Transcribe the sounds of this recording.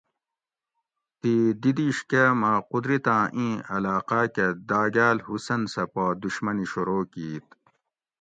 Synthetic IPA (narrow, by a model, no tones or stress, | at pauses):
t̪id̪id̪iːʂkemaːqud̪ɾit̪ãːʔĩːɐlaːqaːked̪aːɡaːlhusɐnsɐpaːd̪uɕmɐniɕuɾoːkiːt̪̚